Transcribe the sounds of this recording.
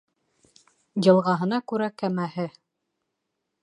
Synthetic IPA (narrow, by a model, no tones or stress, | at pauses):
jɤ̆lˠʁɑɦɤ̆nɑkʉɾækæmæhɘ